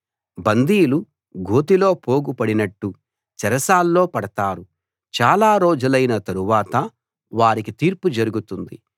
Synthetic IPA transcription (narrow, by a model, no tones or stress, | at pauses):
bɐnd̪iːjlu | ɡʱoːt̪̬ilo̞ːpo̞ːɡupɐɽinɐʈːu | t͡ʃɛɾɐsaːlːo̞ːpɐɽɐt̪aːɾu | t͡ʃaːlaːɾoːd͡ʒulɐjnɐt̪ɐɾuʋaːt̪ɐ | ʋaːɾikit̪iːɾpud͡ʒɐɾuɡut̪und̪ḭ